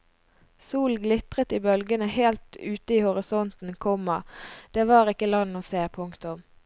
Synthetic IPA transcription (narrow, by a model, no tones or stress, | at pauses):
suːlɡlɪt̪ʁət̪iːbœlɡənəheːlt̪ʉːt̪əiːhʊʁɪsɔnt̪n̩kʰɔmɑd̪̥eːʋɑːʁɪkːəlɑnːoːseːpʰʊŋkt̪ʊm